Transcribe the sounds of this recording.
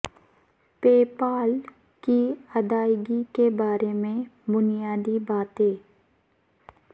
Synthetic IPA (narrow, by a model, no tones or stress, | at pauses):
peːpaːl | kiɐd̪aːjɡikebaːɾemẽbʊnijaːd̪ibaːt̪ɦeː